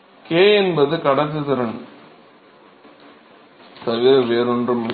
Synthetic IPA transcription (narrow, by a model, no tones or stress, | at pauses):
keːɛnbɐðɯkɐɽɐt̪ːɯt̪ɯɾɐn | t̪ɐʋɪɾʋeːɾɔndrɯm